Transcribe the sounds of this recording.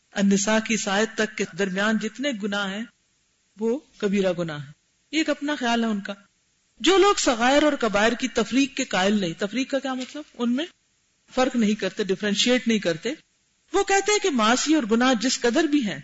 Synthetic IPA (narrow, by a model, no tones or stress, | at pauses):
ɐnːɪsaːkisaːɪət̪ːɐkːed̪ɐɾmijaːnd͡ʒɪt̪neɡʊnaɦɦɛ̃ | ʋoːkɐbʱiːɾaɡʊnaːɦɦɛ̃ː | jeːkɐpnaxjaːlɦɛʊnkaː | d͡ʒoːloːɡsɐɣaːɪɾɔːɾkɐbaːɪɾkit̪ɐfɾiːkːekaːɪlnɐɦĩt̪ɐfɾiːkːakjaːmɐt̪ləbʊnmẽ | fɐɾknɐɦĩkɐɾt̪eɖɪfɾɛ̃nʃieːʈnɐɦĩkɐɾt̪e | ʋoːkɛɦt̪eɦɛ̃kemaːsiɔːɾɡʊnaɦd͡ʒɪskɐd̪əɾbʱiɦɛ̃ː